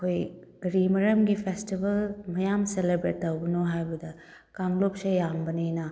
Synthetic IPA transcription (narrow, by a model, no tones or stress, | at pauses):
ɐkʰojɡɾimɐɾɐmɡipʰestibɐlmɐjamselebɾetːɐwbɐnoɦajbɐdɐ | kaŋlopsɐjambɐninɐ